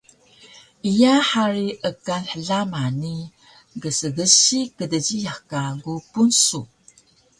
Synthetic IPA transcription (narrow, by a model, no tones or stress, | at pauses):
ijaħaɾiʔəkanħəɮamani | ɡəsəɡəɕikədəɟijakaɡupunsu